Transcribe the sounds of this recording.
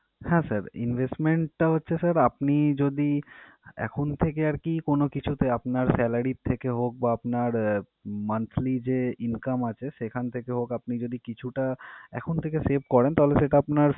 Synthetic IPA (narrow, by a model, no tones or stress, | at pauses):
hɛ̃ːsaɾḭnbʱesʈmeɳʈːaɦotːɕʰesaɾapnid͡ʑod̪i | ɛ̰kʰont̪ʰekeaɾkikonokit͡ɕʰut̪eapnaɾsɛlaɽit̪ʰːekeɦok̚baapnaɾ | mant̪ʰlid͡ʑeinkamat͡ɕʰeʃekʰant̪ʰekeɦokapnid͡ʑod̪ikit͡ɕʰuʈaɛ̰kʰont̪ʰekesebʱkɔɾent̪aɦoleseʈaapnaɾ